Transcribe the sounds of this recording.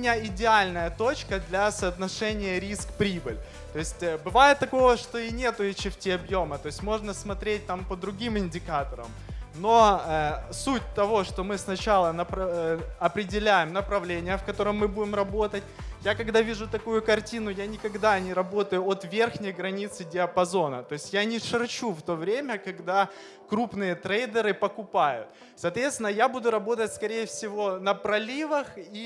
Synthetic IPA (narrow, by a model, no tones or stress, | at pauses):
mʲɪnʲaɪdʲɪalʲnəjət̪o̞t͡ɕkəd̪lʲɐsəːt̪nɐʂɛnʲɪjəɾʲiskpɾʲibɨlʲ | t̪o̞ɪsʲtʲːbɨvajɪt̪ːɐko̞vəʂt̪o̞ɪnʲe̞t̪ʊɪt͡ɕɪfʲtʲiɐbjomət̪o̞ɪsʲtʲmo̞ʐnəsmɐt̪ɾʲet̚ʲt̪ampəd̪ɾʊɡʲimɪnʲdʲɪkat̪əɾə̰m | no̞əsutʲt̪ɐvo̞ʂt̪omɨsnɐt͡ɕalˠənəpɐɐpɾʲɪdʲɪlʲæjɪmnəpɾɐvlʲenʲɪjəfkɐt̪o̞ɾəmːɨbudʲɪmrɐbo̞t̪ət̚ʲjakɐɡd̪avʲiʐʊt̪ɐkujʊkɐrtʲinʊjanʲɪkɐɡd̪anʲɪɾɐbo̞t̪əjʊot̪vʲe̞rxnʲɪjɡɾɐnʲit̪sɨdʲɪɐpɐzo̞nət̪o̞ɪsʲtʲjanʲɪʂɨrt͡ɕuft̪o̞vɾʲemʲəkɐɡd̪a | kɾupnɨjət̪ɾejd̪əɾɨpəkʊpajʊ̰t̪ | sɐːt̪vʲe̞t̪st̪ʲɪnːəjabud̪ʊɾɐbo̞t̪ətʲskɐɾʲejəfsʲɪvo̞nəpɾɐlʲivəxi